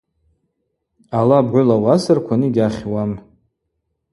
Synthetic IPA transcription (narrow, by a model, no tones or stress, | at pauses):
alabʕʷʊlawasarkʷʰaniɡʲaχʲwam